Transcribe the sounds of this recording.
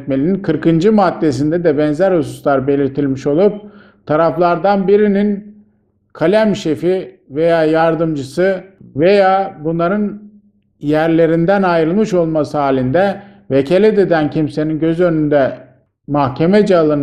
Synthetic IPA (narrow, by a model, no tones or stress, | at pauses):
t̪̚melʲininkʰɯɾkɯnd͡ʒɯmad̪ːe̞s̬ind̪ɛd̪ɛbɛnzæɾhususlˠaɾbe̞lʲiɾt̪ʰilʲmiʃo̞lˠup̚ | t̪ʰaɾaflˠaɾd̪anbiɾinin | kʰalʲæmʃefive̞jaːjaɾd̪ɯmd͡ʒɯsɯve̞jaːbunlˠaɾɯn | jæɾlʲe̞ɾind̪ænajɾɯlˠmɯʃo̞lˠmasɯɦaːlʲind̪ɛ | vecʰelʲɛd̪ed̪æncʰimse̞ninɟøzø̞nynd̪ɛ | mahcʰe̞mɛd͡ʒalˠɯn